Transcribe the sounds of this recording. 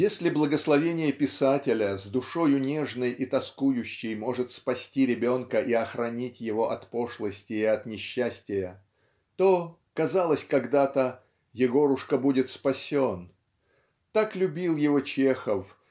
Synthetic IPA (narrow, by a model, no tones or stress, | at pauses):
jesʲlʲɪblˠəɡəslˠɐvʲenʲɪjəpʲɪsatʲɪlʲəzd̪ʊʂo̞jʊnʲeʐnəjʔit̪ɐskujʉɕːɪjmo̞ʐɨt̪spɐsʲtʲiɾʲɪbʲo̞nkəʔiɐxɾɐnʲitʲjɪvo̞ʔɐt̪po̞ʂlˠəsʲtʲɪjɪɐt̪nʲɪɕːæsʲtʲɪjə | t̪o̞ | kɐzalˠəsʲkɐɡd̪at̪ə | jɪɡo̞ɾʊʂkəbudʲɪt̪spɐsʲo̞n | t̪aklʲʉbʲilˠjɪvot͡ɕexəf